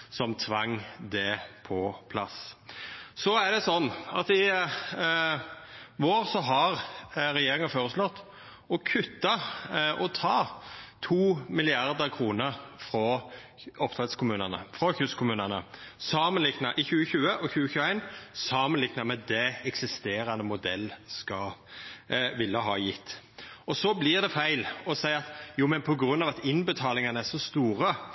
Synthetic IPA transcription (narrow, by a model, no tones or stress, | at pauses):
sɔmt̪ʰʋɑŋːd̪ɛpʰɔpʰlɑ̰s | sɔæd̪ɛsɔnːɑ̰t̪ɪ | ʋoːɾsɔɦɑɾɾɛjeːɾɪŋɑføːʁəslɔt̪ː | ɔkʰʉt̪ːɑʔɔt̪ʰɑːt̪ʰuːmɪlɪɑʁd̪əɾkʰʁuːnəɾfɾɔ | ɔpt̪ʰʁɛt̪skʰʊmʉːnənə̰fʁɔçʉskʰʊmʉːnənəsɑːmənlɪɡnɑʔɪçʉːəçʉːəʔɔçʉːəçʉːæɪnsɑːmənlɪɡnɑmɛd̪ɛɛksɪst̪eːɾɑnəmʊd̪ɛlːskɑ | ʋɪlːəɦɑːjɪt̪ː | ɔsɔblɪʁd̪ɛfæɪlɔsæɪɑt̪juːmɛnpʰɔɡʁʉnːɑːʋɑt̪ɪnbət̪ʰɑːlɪŋɑnəæʂɔst̪uːɾə